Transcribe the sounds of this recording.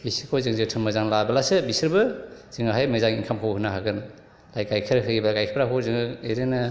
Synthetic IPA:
bisikʰozɯŋzɯtʰɯnmɐzaŋlabɐlasɯbisɯɾbɯz̥ɯŋaɦajmɐzaŋiŋkʰamkʰawɦɯnaɦaɡɯn | lajkajkʰɯɾɦɯɡiblakajkʰɯɾaɦozɯŋɯeɾenɯ

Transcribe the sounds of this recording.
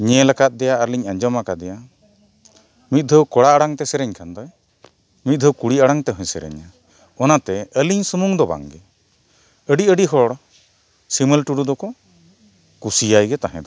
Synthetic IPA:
ɲɛlakat̪̚ˀd̪ɛjaəɾliɲaɲd͡ʒɔmakad̪ɛja | mit̪̚d̪ʱəwkɔɽaaɽaŋt̪ɛsɛɾɛɲkʰand̪ɔj | mit̪̚ˀd̪ʱəwkuɽiaɽaŋt̪ɛɦɔ̃jsɛɾɛ̰ɲa | ɔnat̪ɛəliɲsumuŋd̪ɔba̰ŋɡɛ | əɖiəɖiɦɔɽ | siməlʈuɽud̪ɔkɔ | kusijajɡɛt̪aɦɛ̰̃d̪ɔ

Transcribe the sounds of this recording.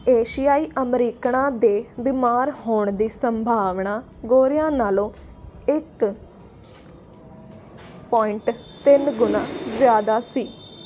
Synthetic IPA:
eːʃijaːiːʔəmɾiːkɳãːd̪eːbɪmaːɾɦoːɳd̪iːsəmbʱaːʋɳaː | ɡoːɾɪjãːnaːlõː | ɪk | pɔːɪɳʈ | t̪ɪnɡʊnãːzjaːd̪aːsiː

